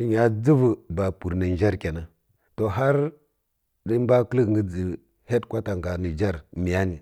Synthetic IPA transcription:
i˦ɲa˨d͡zi˦vu˨ba˨pu˨ɾnə˨n˦d͡ʒa˦ɾkʲe˨na˨ | to˨ɦa˦ɾ | di˦m˦ba˦klə˦kŋɡə˦d͡zi˨ | he˦tkʷa˦ta˨ŋɡa˨ni˨d͡ʒa˦ɾmi˨ja˦ni˨

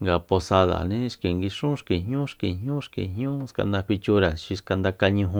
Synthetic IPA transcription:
ŋɡa˨po˧sa˧ða̰˨nĩ˦ʂki˨ŋɡi˧ʂũ˦ʂki˨ɲɲũ˦ʂki˨ɲɲũ˦ʂkḭ˨ɦɲũ˦ska̰˧nd̪a˧kʷi˧t͡ʃu˧˦ɾa˨ʃi˧ska˧nd̪a˧ka˧ɲũ˧ɦũ˧

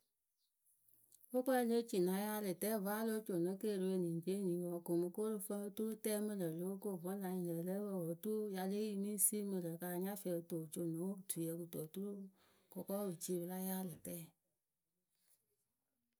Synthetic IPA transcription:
wo˦k͡pɛ˦le˦t͡ʃi˨nã˨˦ja˦lɨ˨tɛː˦˨vaː˦lo˦t͡ʃo˨nõ˨˦ke˦˨ɾi˧we˧˨nĩ˨d͡ʒe˦nĩ˨˦wɔ˨ko˨mɨ˧ko˦ɾu˧fə̃˦ə˧˦tu˦ɾu˦tɛː˦mə̃˧lə˨lo˨˦o˦ko˦˨vɔ̃˨˦lã˨ɲĩ˨lə˨lə˦wə˨wo˨tu˦u˦ja˧le˦ji˧mĩ˦si˦mə̃˧lə˨ka˧˨ɲã˦fɛ˧˦ɨ˨to˨t͡ʃo˨nõ˨˦tu˨ɛ˨˦kɨ˧to˨tu˦ɾu˦ | kɔ˨kɔ˦˨wɨ˨t͡ʃi˧˦bɨ˧la˦jaː˦lɨ˨tɛː˦˨

